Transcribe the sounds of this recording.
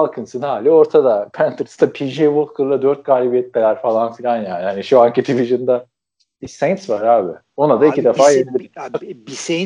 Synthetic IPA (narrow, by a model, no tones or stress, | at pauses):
alˠkʰɯnsɯnhaːlʲio̞ɾt̪ʰad̪apʰænt̪ʰɯɾst̪ʰapʰiʒejvolˠkʰɯɾlˠad̪øɾt̪̚ɡaːlʲibijɛt̪̚belʲæɾfalˠanfilʲanjaːnihaniʃuaŋkid̪iviʒɯnd̪a | isejnsvaɾaːbɪ | o̞nad̪aicʰid̪efaːjelilʲiie